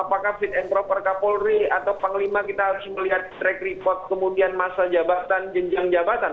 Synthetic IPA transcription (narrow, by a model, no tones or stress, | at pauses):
apakahfɪt̪̚ɛnp̪ɾɔpərkapɔlriat̪awpaŋlimakit̪aɦaɾʊsməliɦat̪̚ːɾɛkripɔrt̪̚kəmudianmasad͡ʒabat̪and͡ʒəɲd͡ʒaŋd͡ʒabat̪an